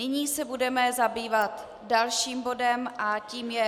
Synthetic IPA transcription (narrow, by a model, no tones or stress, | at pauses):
nɪɲiːsɛbudɛmɛzabiːvat̪ | dalʃiːmbo̞dɛmʔaciːmjɛ